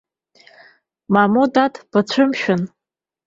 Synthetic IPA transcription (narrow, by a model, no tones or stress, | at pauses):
mamudatʰb̥at͡ɕʷʰɨmʃᶣʊn